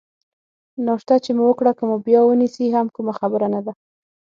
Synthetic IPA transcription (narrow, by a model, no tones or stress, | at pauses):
noʂt̪at͡ʃemuwəkɽakəmubjɑwənisiɦamkumaxabəɾanad̪a